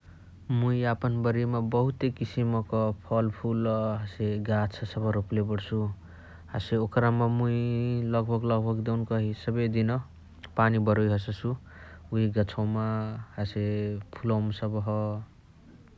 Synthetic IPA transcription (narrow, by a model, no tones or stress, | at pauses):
muiapʌnbʌɾimabʌɦut̪ekisimʌkʌpʰʌlpʰulɦaseɡat͡sʰʌsʌbʌɾoplebʌɽt͡sʰu | ha̰seokɾamamuilʌɡbʱʌɡlʌɡbʱʌɡd̪ewnkʌɦisʌbʌjd̪inʌ | panibʌɾojɦʌs̬ʌsʰuuɦiɡʌt͡sʰawmahasepʰulʌwmsʌbʌɦʌ